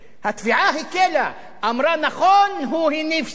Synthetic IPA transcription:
hat̪fiʕaɦikela | ʔamɾˤɑnaxoːnɦuhinif

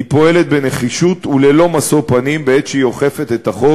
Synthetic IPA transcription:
ipo̞e̞let̪̚beneχiʃut̪ulelo̞maso̞panimbeetʃeioχefe̞t̪et̪aχo

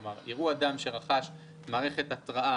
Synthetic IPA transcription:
maʁiʁuad̪amʃe̞ʁaχaʃ | maːʁe̞χe̞t̪atʁaʔa

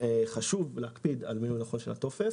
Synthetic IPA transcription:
eχaʃuvleakpid̪a̰lminnaχonʃelato̞fes

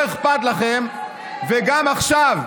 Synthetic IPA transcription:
eχpat̪laχem | veɡamaχʃav

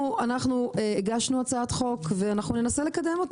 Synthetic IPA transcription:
uanaχnueeɡaʃnuat͡saat̪χo̞kve̞anaχnunenase̞le̞kade̞mo̞t

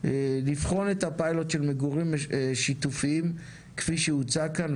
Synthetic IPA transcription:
lifχo̞net̪apajlot̪ʃelmeɡuʁimʃitufiim | kfiʃeut͡sakan

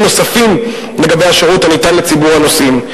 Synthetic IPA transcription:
no̞safim | leɡabejaʃeʁuthanitanlet͡sibuʁano̞sim

